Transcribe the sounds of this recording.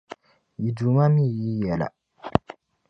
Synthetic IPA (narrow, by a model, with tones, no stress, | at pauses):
ji˨du˨ma˦mĩ˦˨ji˦jɛ˨la̰˨